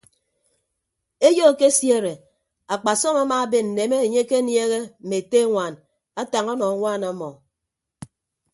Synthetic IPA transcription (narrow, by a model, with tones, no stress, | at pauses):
e˦jo˦˨ke˦sje˦˨ɾe˨ | a˨k͡pa˨sɔ˦ma˦maː˦be˦n̩˨ne˨me˦e˨ɲe˦ke˦nje˦ɣe˦m̩˨me˨te˦ŋʷa˨n | a˦ta˨ŋɔ˦nɔ˨a˨˦ŋʷa˦na˨˦mɔ˨